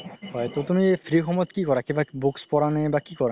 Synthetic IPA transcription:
hɔet̪ot̪umifʰɾikʰɔmɔt̪kikɔɾakebabukspɔɾanebakikɔɾa

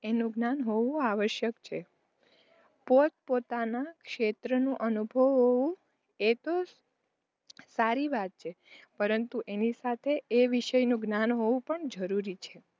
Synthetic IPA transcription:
enũɡnanɦoʋũaʋəʃjəkt͡ʃʰe | pot̪̚pot̪anakʃet̪ɾənũʔənubʱəʋɦoʋũ | et̪o | saɾiʋat̪̚t͡ʃʰe | pəɾənt̪uʔenisat̪ʰeeʋiʃəjnũɡnanɦoʋũpəɳd͡ʒəɾuɾit͡ʃʰe

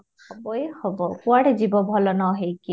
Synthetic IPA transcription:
kʰɔbɔehɔbɔkuaɽzibɔbʱɔlɔnɔɦejki

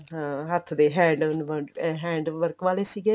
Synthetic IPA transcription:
ɦãːɦət̪ʰd̪eːɦɛ̃ːɳɖʊnʋəɦɛ̃ːɳɖʋəɾkʋaːleːsiːɡeː

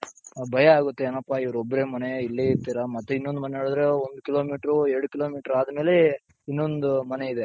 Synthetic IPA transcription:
bʱɐjɐaːɡut̪ːeeːnɐpːaːiʋɐɾobːɐɾe̞ːmɐneilːeiɾt̪iːɾamɐt̪ːeinːond̪umɐneɦeːɭud̪ɾe̞ond̪ukiloːmiːʈɾueɾɽukiloːmiːʈɾaːd̪ɐme̞ːle̞ | inːo̞nd̪umɐne̞id̪e̞

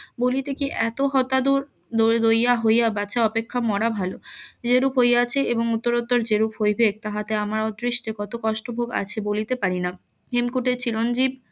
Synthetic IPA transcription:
bolit̪ekiʔɛt̪oɦɔt̪ad̪uɾ | d̪od̪ojaɦojabat͡ɕʰaɔpekʰːamɔɽabʱalod͡ʑeɾupɦojat͡ɕʰeeboŋut̪ːoɾot̪ːoɾd͡ʑeɾupɦojbʱeɡ̚t̪aɦat̪eamaɾod̪ɾiʃʈekɔt̪okɔʃʈobʱoɡa̰t͡ɕʰebolit̪epaɾina | ɦemkuʈeɾt͡ɕiɾond͡ʑib̚

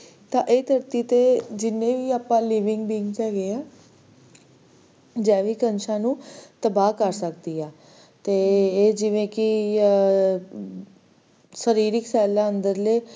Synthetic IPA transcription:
t̪ãːʔeːt̪əɾt̪iːt̪eːd͡ʒɪnːẽːʋiːaːpãːliːʋɪŋɡbiːŋɡkɛːɡeːɛː | d͡ʒɛ̃ːʋiːkənʃʰãːnũːt̪əbaːkəɾsəkd̪iːɛː | t̪eːd͡ʒɪʋẽːkɪ | səɾiːɾɪksɛːlːãːənd̪əɾleː

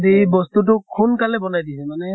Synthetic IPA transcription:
dibɔst̪ut̬ʊkʰunkalɛbɔnajdisɛmanɛ

